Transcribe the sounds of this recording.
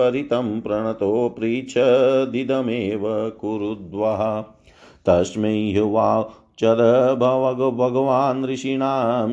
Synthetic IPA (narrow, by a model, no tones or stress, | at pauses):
ɐɾit̪ɐmpɾɐɳ̃ɐt̪oːpɾiːt͡ʃʰɐd̪id̪ɐmeːʋɐkuɾud̪ʋɐɦɐ̆ | t̪ɐʃmeɦuʋaː | t͡ʃɐd̪ɐbʱɐʋɐɡɐbʱɐɡɐʋaːnɾiʃiɳaːm